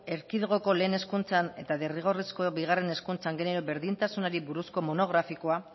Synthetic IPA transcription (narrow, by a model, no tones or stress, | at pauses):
e̞ɾkiðɣ̞o̞ko̞leːne̞skunt͡sane̞t̪aðeriɣ̞o̞risko̞biɣ̞are̞ne̞skunt͡saŋɡe̞neɾoβe̞ɾðint̪asunaɾiβuɾusko̞mo̞no̞ɣɾafiko̞a